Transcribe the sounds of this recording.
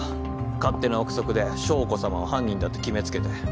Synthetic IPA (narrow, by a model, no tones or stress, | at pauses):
kat̪ːe̞naokɯ̟̥so̞kɯ̟d̪e̞ɕo̞ːko̞samaohãɲʲɡʲĩnd̪at̪ːekʲime̞t͡sɨ̥ke̞t̪e̞